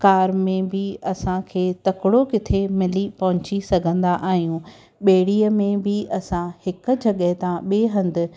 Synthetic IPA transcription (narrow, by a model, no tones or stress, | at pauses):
kaːɾmẽbɪɐsãkʰeːt̪ɐkɪɽokɪt̪ʰemɪlipɐɦʊ̃ɲt͡ɕisɐɡʱə̃nd̪aʔaːɦijũ | ɓeːɽiːəmẽbɪʔɐsãhɪkʊ̆d͡ʑɐɠəɦt̪ãɓeːɦɐ̃nd̪ʊ̆